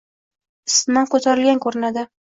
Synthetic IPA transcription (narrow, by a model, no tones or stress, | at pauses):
ɪsɪmankɵt̪ʰaɾɪlɡʲankʰɵɾɪnad̪ɪ